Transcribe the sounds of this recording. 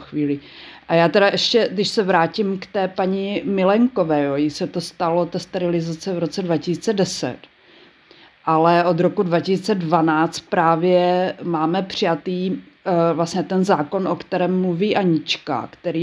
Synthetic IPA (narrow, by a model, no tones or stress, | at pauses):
xviːlɪ | ʔajaːt̪ɛɾaʔɛʃcɛdɪʃsɛvɾaːcɪmkt̪ɛːpaɲɪmɪlɛŋko̞vɛːjoːjɪsɛt̪ost̪alot̪ɛːst̪ɛɾɪlɪzat͡sɛvɾo̞t͡sɛdvacɪsiːt͡sɛdɛsɛ̰t̪ | ʔalɛʔod̪ɾokudvacɪsit͡sɛdvanaːt͡st̪̚pɾaːvjɛmaːmɛpr̝̥ɪjat̪iː | vlasɲɛt̪ɛnzaːko̞nʔokt̪ɛɾɛːmːluviːʔaɲɪt͡ʃka̰kt̪ɛɾiː